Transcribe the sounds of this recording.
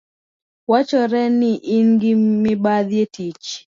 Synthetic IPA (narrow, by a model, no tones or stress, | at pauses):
wat͡ʃɔɾɛniʔiŋɡimɪbaðietit͡ʃ